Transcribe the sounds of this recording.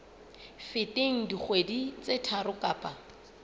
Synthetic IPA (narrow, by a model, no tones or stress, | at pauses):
fɪtʼeŋ̩diχwedit͡sʼetʰaɾʊkʼaːpʼa